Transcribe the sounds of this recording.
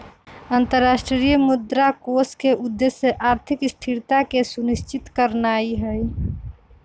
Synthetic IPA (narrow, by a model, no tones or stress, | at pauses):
ənt̪əɾːaːsʈɾɾijmud̪ɾakoskeʔud̪ːeseʔaːɾt̪ʰɪkɪst̪ʰiɾt̪akesunist͡ʃɪt̪kəɾnaːiɦəj